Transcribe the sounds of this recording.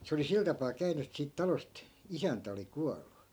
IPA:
se oli sil tɑpɑː kæyny et siːt tɑlost isæntæ oli kuɑlːu

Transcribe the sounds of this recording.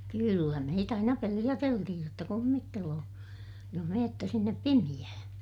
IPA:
kylːæ meit ɑinɑ pelij̆æteltihij jotːɑ kumːitːeloː joh meːtːæ sinːep pimij̆æhæ̃ː

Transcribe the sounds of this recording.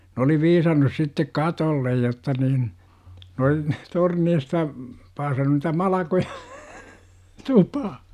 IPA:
n oli ʋiːsɑnːus sitːek kɑtolːej jotːɑ niːn ne ol torneistɑ pɑːsɑnːu nitæ mɑlɑkoj̊ɑ̥ tupɑh

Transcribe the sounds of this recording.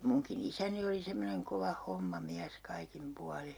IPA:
muŋkin isæni oli semːoneŋ koʋɑ homːɑmiæs kɑikim puɑli

